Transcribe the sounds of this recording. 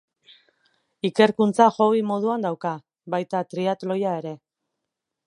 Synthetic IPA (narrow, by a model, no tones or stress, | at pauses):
ike̞ɾkunt͡saʝo̞βimo̞ðuand̪awka | βajt̪at̪ɾiat̪lo̞jae̞ɾe̞